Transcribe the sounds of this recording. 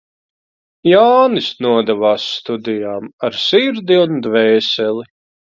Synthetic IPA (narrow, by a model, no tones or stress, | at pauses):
jaːnɨsnuɔd̪ɛvaːsːt̪ud̪ijaːmaɾsiɾd̪iund̪vɛːsɛli